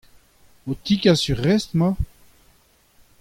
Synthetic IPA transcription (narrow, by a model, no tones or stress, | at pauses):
ot̪ikʲasyʁɛst̪ma